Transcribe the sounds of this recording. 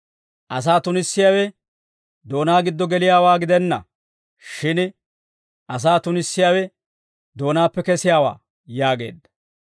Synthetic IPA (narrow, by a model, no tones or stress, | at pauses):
ʔɐs̬aːt̪ʊnɪsːɪjaːwɛ | d̪o̞ːnaːɡɪd̪ːɔɡɛlɪjaːwaːɡɪd̪ɛnːɐ̰ | ʃɪn | ʔɐs̬aːt̪ʊnɪsːɪjaːwɛ | d̪o̞ːnaːpːɛkɛsɪjaːwa̰ː | jaːɡe̞̰ːd̪ːɐ̥